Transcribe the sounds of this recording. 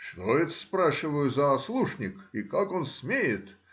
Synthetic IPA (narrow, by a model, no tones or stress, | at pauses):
ʂt̪oɪt̪sspɾaʃɪvəjʊzɐːslˠuʂnʲɪkikakonsʲmʲejɪt̪